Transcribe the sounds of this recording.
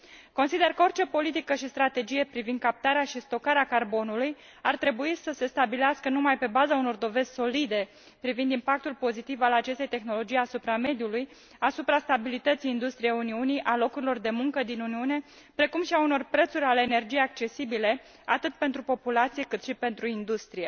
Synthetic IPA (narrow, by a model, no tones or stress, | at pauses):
konsid̪e̞rkəo̞rt͡ʃe̞po̞lit̪ikəʃist̪ɾat̪e̞d͡ʒije̞pɾivind̪̚kap̚t̪aɾeaʃist̪o̞kaɾeakarbo̞nuluj | art̪ɾe̞buisəse̞st̪abileaskənumajpe̞bazauno̞rd̪o̞ve̞z̥ʲso̞lid̪e̞ | pɾivind̪impak̚t̪ulpo̞zit̪ivalat͡ʃe̞st̪e̞jt̪e̞xno̞lo̞d͡ʒijasupɾame̞d̪ijuluj | asupɾast̪abilit̪ət̪sijːnd̪ust̪ɾijejuniuniʔalo̞kuɾilo̞rd̪e̞muŋkəd̪inuniune̞ | pɾe̞kumʃiauno̞rpɾe̞t̪suɾʲaleːne̞rd͡ʒijeak̚t͡ʃe̞sibile̞ | at̪ɨt̪̚pe̞nt̪ɾupo̞pulat̪sijekɨt̪ʃipe̞nt̪ɾuind̪ust̪ɾije